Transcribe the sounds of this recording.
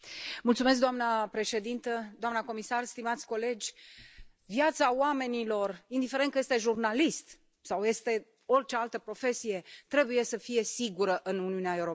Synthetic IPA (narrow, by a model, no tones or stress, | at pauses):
mult̪sumesk̚d̪oamnəpɾe̞ʃe̞d̪int̪əd̪oamnəko̞misarst̪imat̪sʲko̞le̞d͡ʒʲ | vjat̪saoame̞nilo̞rind̪ifeɾe̞nt̪kəjest̪e̞ʒurnalist̪ | sawje̞st̪e̞ | o̞rʲt͡ʃealt̪əpɾo̞fe̞sije̞t̪ɾe̞buje̞səfije̞siɡuɾəʔɨnuniuneae̞wuɾo